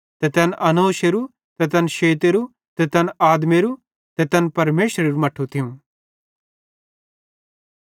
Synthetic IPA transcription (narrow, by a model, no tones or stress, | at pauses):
t̪ɛt̪ɛnʔɐnoːʃeɾu | t̪ɛt̪ɛːnʃeːt̪̬eɾu | t̪ɛt̪ɛnaːd̪meɾu | t̪ɛt̪ɛnpɐɾmeːʃɾeɾumɐʈʰut̪ʰɪũ